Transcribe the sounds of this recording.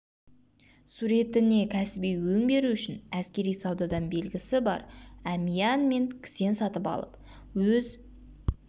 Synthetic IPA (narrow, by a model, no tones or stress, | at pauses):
suɾe̞t̪ɪne̞kʲʰæsɪbijwɵŋbe̞ɾuʏʃɪnæskʲe̞ɾijsɑwd̪ɑd̪ɑnbe̞lɡʲɪsɪbɑ̰ɾæmijɑnme̞ŋkʲʰɪ̥se̞nsɑt̪əpɑ̰lˠə̰p | wɵz